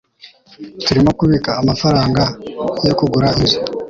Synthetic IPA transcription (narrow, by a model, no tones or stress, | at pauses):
tuɾimo̞kuβikaːmafaɾaːŋɡajo̞kuɡuɾaizo